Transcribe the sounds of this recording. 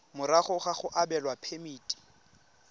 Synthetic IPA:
mʊɾaχʊχaχʊʔabɛlwapʰemiːtʼi̥

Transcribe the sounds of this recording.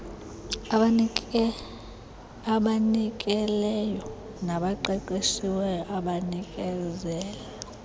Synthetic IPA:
aɓanikʼɛlɛjɔ | naɓaǃɛǃeʃiwɛʔaɓanikʼɛzɛːjɛ

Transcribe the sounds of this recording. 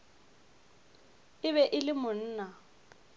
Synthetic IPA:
ɪβɛʔɪlɪmʊn̩ːna

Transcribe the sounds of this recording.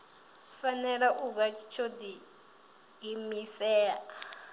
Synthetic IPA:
fanɛɺaʔuβat͡ʃʰod̪iː | misɛːa

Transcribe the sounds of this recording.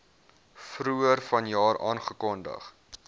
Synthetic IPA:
fruərfɐnjɑːɾɑːnχəkɔndə̰χ

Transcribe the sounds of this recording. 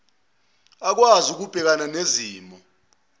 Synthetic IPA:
ak̬wazuk̬ub̥ʱɛk̬ananeziːmɔ

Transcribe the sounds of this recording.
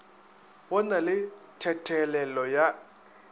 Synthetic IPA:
wɔnalɪtʰɛtʰɛlɛlɔja

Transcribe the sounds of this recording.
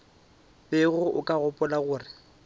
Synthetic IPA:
bɪɣʊʔʊkʼaɣʊpʼʊlaɣʊːrɪ

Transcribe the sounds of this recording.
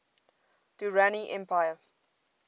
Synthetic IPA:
tiɹaniʔɛ̃mpajə

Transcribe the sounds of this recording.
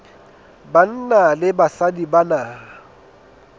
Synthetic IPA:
ban̩nalɪbasadibanaːa

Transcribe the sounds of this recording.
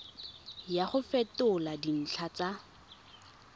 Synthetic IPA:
jaχʊfɛtʊladin̩t͡ɬʰat͡sa

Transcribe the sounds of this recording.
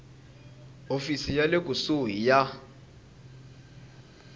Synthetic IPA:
ofisijalekʼusujija

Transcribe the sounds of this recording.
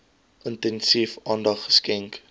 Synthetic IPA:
ʔəntɛnsifɑːndɐχːə̥skɛŋk

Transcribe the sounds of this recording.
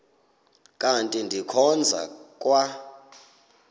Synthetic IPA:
kʼantʼindʱikʰɔnd͡zʱa̰kʼwa

